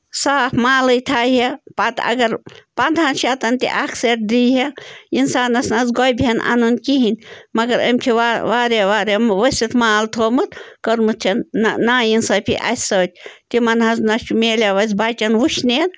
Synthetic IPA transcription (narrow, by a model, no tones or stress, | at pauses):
saːpʰmaːlɨjt̪ʰaːɦepɐt̪ɐ̰ɡɐɾpɐnd̪ʱaːnʃat̪ɐnʲt̪ḭʔakʰseʈ̚d̪iːɦeinsaːnɐsnɐzɡojbʱenʔa̰nunkiɦinʲmɐɡɐɾə̰mʲt̪ʲʰiʋaʋaːɾeʋaːɾeʋɐsʲit̪maːlt̪ʰoːmɨt̪kəɾmɨt̪ʰɐnnaːjinsɐːpʰḭʔɐ̰sʲsɐːt̪̚ʲt̪imɐnɦɐznɐt͡ʃumeːlʲaʋɐzʲbaːt͡ʃʲɐnʋuʃneːn